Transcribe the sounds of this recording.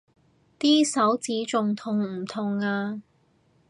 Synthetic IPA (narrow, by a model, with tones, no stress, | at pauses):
t̪iː˥sɐ˨˥wt͡siː˨˥t͡sʊ˨ŋt̪ʰʊ˨˩ŋm̩˨˩t̪ʰʊ˨˩ŋaː˧